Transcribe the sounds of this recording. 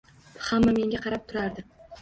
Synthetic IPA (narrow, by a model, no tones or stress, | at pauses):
hamːame̞ŋɡʲaqʰɑɾap̚t̪ʰʊɾaɾd̪ɪ